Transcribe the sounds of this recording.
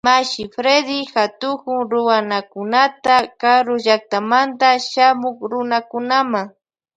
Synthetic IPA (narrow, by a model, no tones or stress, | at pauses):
maʃɪfɾed̪ɪxat̪ʊkʊŋɾʊwanakʊnat̪akaɾʊʒak̚t̪amant̪aʃamʊkɾʊnakʊnamaŋ